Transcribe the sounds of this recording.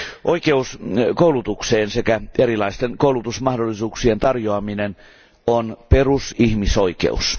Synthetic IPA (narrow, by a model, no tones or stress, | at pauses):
ʔoikeuskoulut̪ukseːnsekæeɾilɑist̪enkoulut̪usmɑhdolːisuːksient̪ɑrjoɑminen | onperusihmisoikḛṵs